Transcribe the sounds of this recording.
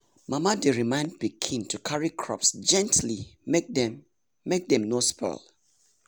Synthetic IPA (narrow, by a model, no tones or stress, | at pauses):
mamadeɹimãɪ̃ndpikʰĩntʰukʰaɹikʰɹɔ̰psd͡ʒɛ̃ntlimek̚dɛ̃m | mek̚dɛ̃mnospʰɛ̰lˠ